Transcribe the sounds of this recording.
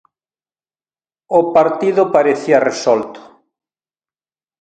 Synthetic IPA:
ʊpaɾt̪iðʊpaɾeθiɐresɔlt̪ʊ̥

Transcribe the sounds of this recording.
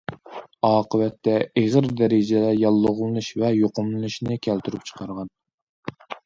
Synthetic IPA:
ɑːqəvɛt̪ːɛeʁəɾd̪ɛɾɪd͡ʒɛd̪ɛjɑlˠːʊʁlˠɨnuʃvɛjoqʊmlɨnɨʃnɨkʲʰælt̪yɾyp̚t͡ʃʰə̥qʰɑɾʁɑn

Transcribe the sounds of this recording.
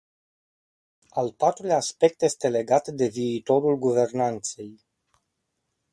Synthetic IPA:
alpat̪ɾulʲaːspe̞k̚t̪je̞st̪e̞le̞ɡat̪d̪e̞viːt̪o̞ɾulɡuve̞rnant̪se̞j

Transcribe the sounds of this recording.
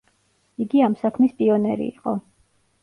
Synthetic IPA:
iɡiamsakʰmispʼiɔnɛɾḭḭqʼɔ̰

